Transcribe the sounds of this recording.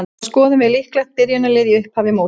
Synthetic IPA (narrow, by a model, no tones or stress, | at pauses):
skɔːðʏmvɪðlihklat̪̚pɪɾjanalɪːðiʏhphavɪmoːw